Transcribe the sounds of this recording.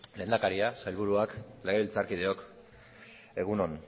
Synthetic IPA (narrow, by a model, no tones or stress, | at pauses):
le̞ːnd̪akaɾiasajlβuɾuakle̞ɣe̞βilt͡saɾkið̞e̞o̞k | e̞ɣuno̞n